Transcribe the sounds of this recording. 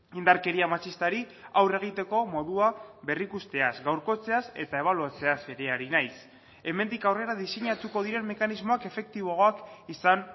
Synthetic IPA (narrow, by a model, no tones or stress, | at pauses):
ind̪aɾke̞ɾiamat͡ʃist̪aɾi | awre̞ɣ̞it̪e̞ko̞mo̞ðuaβe̞rikust̪e̞asɡawɾko̞t͡se̞asḛt̪ae̞β̞aluat͡se̞ase̞ɾeaɾinajs | e̞me̞nd̪ikawre̞ɾaðiseɲat̪uko̞ð̞iɾe̞mme̞kanizmo̞ake̞fe̞k̚t̪iβ̞o̞ɣakisan